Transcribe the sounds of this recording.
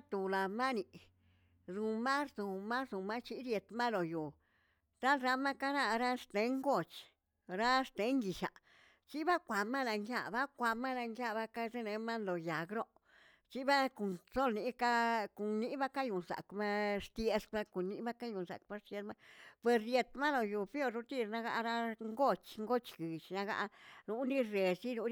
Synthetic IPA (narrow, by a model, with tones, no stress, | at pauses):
t̪u˨la˨ma˦ni˨ | zu˧ma˦szu˨ma˦zu˨ma˦t͡ʃi˦ɾje˧t̪ma˦lo˨ju˨ | t̪a˦lɾa˧ma˦ka˦na˦˧ɾa˦ʂt̪e˧˦ŋɡo˦˨t͡ʃ | ɾa˦st̪e˧˦ŋɡi˨ʃa̰˨ | t͡ʃi˦ba˦kʷa˨ma˦la˧ŋɡja̰˧ba˦kʷa˧ma˦la˧ŋɡja˧ba˦ka˦ze˦ne˧ma˦nlo˨ja˨ɡɾo˦ʔ | t͡ʃi˦ba˦ku˨nso˦lni˧˦ka˦ku˨nni˦ba˦ka˦ju˨nza̰˨kma˦ʂt̪je˧sba˧ku˨ni˧˦ba˦ka˦ju˨nsa̰˨k̚ma˦ʂt̪je˧˦ma˦pwe˨sje˧t̪ma˦lo˨ju˨pjo˧ɾɾu˧t̪i˧˨ɾna˧ɡa̰˧ɾa˦ŋɡo˦˧t͡ʃŋɡo˦t͡ʃɡi˨t͡ʃna˧ɡa̰˧nu˧˦ɾi˦ɾe˨si˦nu˧˦